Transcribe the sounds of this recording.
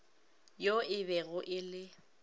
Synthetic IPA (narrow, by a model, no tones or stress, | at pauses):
joɪbɛɣʊʔɪlɪ